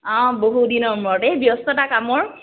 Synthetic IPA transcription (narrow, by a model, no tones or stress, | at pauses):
ɔ̃boɦudinɔɹmɹɔtɛbjɔstɔtakamɔɹ